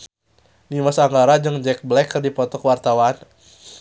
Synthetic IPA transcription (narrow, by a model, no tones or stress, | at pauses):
nimasaŋɡaɾad͡ʒɨŋd͡ʒɛk̚blɛkːərdipɔt̪ɔkəwart̪awan